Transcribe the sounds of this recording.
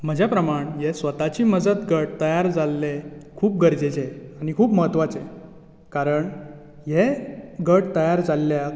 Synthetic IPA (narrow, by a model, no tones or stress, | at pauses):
m̤əd͡ʑʱjapɾəmaɳjesʋət̪at͡ɕiːməd͡zət̪ɡəʈ̚t̪əjaɾd͡zalːekʰuːp̚ɡəɾd͡zet͡ɕeaɽ̃ikʰuːpməɦət̪ʋat͡se | kaɾəɳ | jeɡəʈt̪əjaɾd͡zalːja